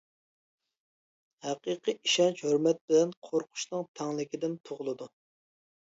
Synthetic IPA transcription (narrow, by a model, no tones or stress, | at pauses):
hæqiqʰɨʔiʃɛnt͡ʃhøɾmɛt̪̚bɪlɛnqʰoɾqʰʊ̥ʃnɨŋt̪ʰɛŋlˠɪkʲid̪ɪnt̪ʰoʁʊlˠɨd̪u